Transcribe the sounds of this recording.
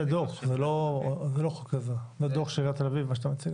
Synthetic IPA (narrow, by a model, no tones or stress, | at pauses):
ed̪oχzelozeloχokazezed̪oχʃeʁat̪elavivmaʃeat̪amat͡siɡ